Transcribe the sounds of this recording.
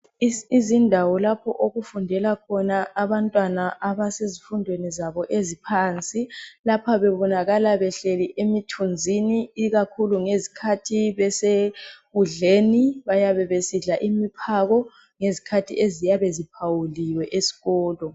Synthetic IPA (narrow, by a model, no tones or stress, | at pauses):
izindʱawɔlapʰɔ̰ʔoɣufundʱɛlakʰɔnaaβantʼwanaʔaβasezifundʱwenizaβɔʔezipʰaːnt͡sʼilapʰaβɛβɔnaɣalaβɛɬeliʔemitʰund͡zʱiniːɣakʰuluŋezikʰatʰiβɛseɣuɮeːniβajaβɛβesiɮaʔimipʰaɣɔ | ŋezikʰatʰḭʔezijaβezipʰawuliwɛʔesi̥ɣɔːlɔ